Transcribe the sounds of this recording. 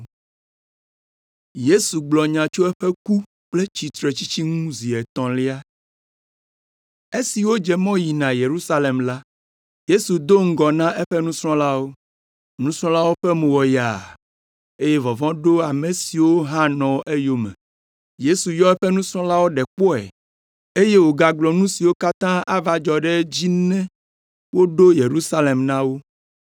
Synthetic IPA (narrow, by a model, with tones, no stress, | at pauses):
je˦su˨ɡ͡blɔ˨ɲã˨t͡ʃo˦ɛ˦ɸɛ˦ku˦ | k͡ple˦t͡ɕi˨t̪ɾe˨t͡ɕi˦t͡ɕi˦ŋũ˦zi˨ɛ˨t̪ɔ̃˨li˦a˦ | e˦si˨wo˦d͡ʒɛ˨mɔ̃˦ji˨nã˨je˨ɾu˦sa˦le˨mla˦ | je˦su˨d̪o˦ŋ̩˦ɡɔ˨nã˦ʔɛ˦ɸɛ˦nũ˦sɾɔ̃˦la˦wo˦ | nũ˦sɾ̃ɔ̃˦la˦wo˦ɸɛ˦mũ˨wɔ˨ja̰˨ | e˦je˦vɔ˨vɔ̃˦ɖo˦a˨me˨si˨wo˦ɦã˦nɔ̃˨ʔe˦jo˦mɛ̰̃˨ | je˦su˨jɔ˦ɛ˦ɸɛ˦nũ˦sɾ̃ɔ̃˦la˦wo˦ɖɛ˨k͡pɔ˦ɛ̰˨ | e˦je˦wo˨ɡa˨ɡlɔ˨nũ˦si˨wo˦ka˦t̪ã˦ʔa˦va˨d͡ʒɔ˨ɖɛ˦d͡ʑi˦nɛ̃˦ | wo˦ɖo˦je˨ɾu˦sa˦le˨mnã˦wo˦